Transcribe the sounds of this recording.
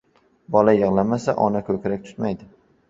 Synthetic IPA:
bɒlajɨʁlˠamasa̰ʔɒnakʰɵkʲɾak̚ʲt̪ʰʊ̥t̪majd̪ɪ

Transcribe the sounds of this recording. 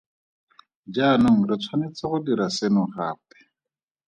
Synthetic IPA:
d͡ʒanʊŋ̩rɪt͡sʰwanɪt͡saχʊdiɾasenʊχaːpɛ̥

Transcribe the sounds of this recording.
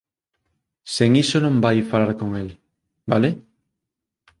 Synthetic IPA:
seŋisonõmbajfalaɾkoŋel | bale

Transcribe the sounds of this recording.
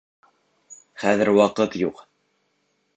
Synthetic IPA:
χæðɘɾwɑqɤt̪juq

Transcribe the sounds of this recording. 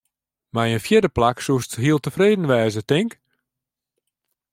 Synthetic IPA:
majənfjɪdəplaksuəstəɦiəlˠtəfreːdən̩ʋɛːzətɪŋk

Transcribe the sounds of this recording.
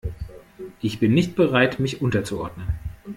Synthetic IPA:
ʔɪçb̥ɪnːɪçt̚b̥əʁaɪtmɪçʔʊntɐt͡suɔɐdnən

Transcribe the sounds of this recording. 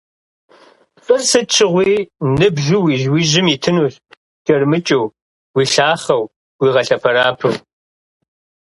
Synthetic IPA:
fʼrsɨt͡ʃʰɪʁʷiːnɨbʒuwiːʒwiːʒɪmiːtʰɨnuːɬ | d͡ʒʼɐrmɨt͡ʃʼɐw | wiːɬaːχɐw | wiːʁɐɬɐpʰɐɾaːpʰɨw

